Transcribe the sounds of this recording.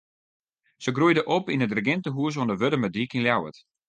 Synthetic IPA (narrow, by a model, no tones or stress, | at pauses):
səɡrujdəʔopinədrəɡɪntəɦuəs̬ondəʋødəmədikinljawə̰t